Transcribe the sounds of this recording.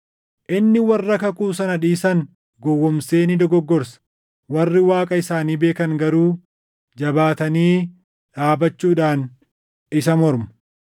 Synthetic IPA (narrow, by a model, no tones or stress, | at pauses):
ʔɪnːɪwɐrːɐkɐkuːsɐnɐᶑiːsɐŋ | ɡɔwːɔmse̞ːnɪd̪ɔɡɔɡːɔɾsɐ̥ | wɐrːɪwaːkʼɐɪsaːniːbe̞ːkɐŋɡɐɾuː | d͡ʒɐbaːt̪ɐniː | ᶑaːbɐt͡ʃːuːᶑaːn | ɪsɐmɔɾmɐ